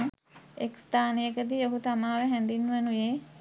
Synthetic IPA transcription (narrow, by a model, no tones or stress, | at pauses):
ekst̪aːnejəkəd̪ioɦut̪amaːʋəɦɛnd̪inːʋənujeː